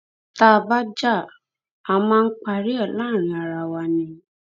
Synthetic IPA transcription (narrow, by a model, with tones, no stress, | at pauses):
ta˦˨ba˦d͡ʒa˦˨ | a˨mãː˦˧n̩˦k͡pa˧ɾi˦ɛ˦˨lãː˦˨ɾ̃ĩ˨˧a˨ɾa˨wa˧nĩ˨˧